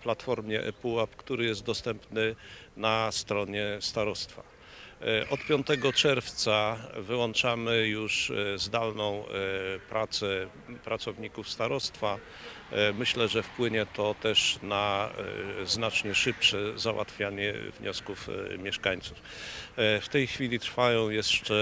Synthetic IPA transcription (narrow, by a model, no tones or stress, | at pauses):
plat̪fɔɾmʲjɛ̰ʔɛ̰puapkt̪uɾɘjɛst̪d̪ɔst̪ɛmpnɘnast̪ɾɔɲɛst̪aɾɔst̪fa̰ | ʔɔt̪pʲjɔnt̪ɛɡɔt͡ʂɛɾft̪savɘwɔnt͡ʂamɘjuʂzd̪alnɔ̃w̃pɾʔat̪sɛ | pɾat̪sɔvɲikufst̪aɾɔst̪fa | mɘɕlɛʐɛfpwɘɲɛt̪ɔt̪ɛʂna | znat͡ʂɲɛʂɘpʂɛzawʔa̰t̪fʲjaɲɛ̰vɲɔskufmʲjɛʂkaɲt̪suf | ft̪ɛjxfʲilʲit̪ɾfajɔ̃w̃jɛst͡ʂɛ